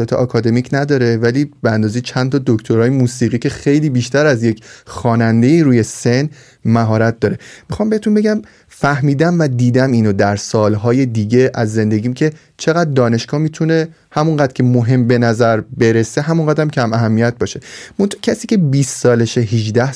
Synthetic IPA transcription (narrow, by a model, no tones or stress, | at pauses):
ɒt̪ʰeʔɒːkʰɒːd̪e̞micʰnæd̪ɒːɾe̞væliːb̥eænd̪ɒːzejt͡ʃʰænt̪ʰɒːd̪ocʰt̪ʰoɾɒːjemuːsiːɣiːcʰe̞xejliːbiːʃt̪æɾæzje̞cʰxɒːnænd̪e̞jiːɾuːje̞se̞n | mæɦɒːɾæt̪̚ʰd̪ɒːɾe̞mixɒːmbe̞het̪ʰunbe̞ɟæm | fæhmiːd̪æmvæd̪iːd̪æmiːnod̪æɾsɒːlɦɒːje̞d̪iːɟe̞ʔæzːe̞nd̪e̞ɟiːmcʰe̞ | t͡ʃʰe̞ɣæd̪̚ːɒːne̞ʃɡɒːmiːt̪ʰune̞ | hæmunɢæd̪ɾcʰe̞moɦe̞mbe̞næzæɾbe̞ɾese̞ɦæmuŋɢæd̪æmcʰæmæɦæmːijæt̪̚bɒːʃe̞mont̪ʰɑːcʰæsiːce̞biːsːɒːleʃeɦid͡ʒd̪æh